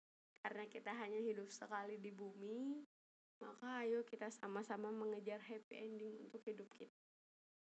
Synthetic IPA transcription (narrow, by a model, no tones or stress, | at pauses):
kaɾənakit̪aɦaɲaɦidʊp̚səkalidibumi | makaːjokit̪asamasamaməŋəd͡ʒarɦɛpiɛndɪŋunt̪ʊkhidʊp̚kʰit̪̚ḁ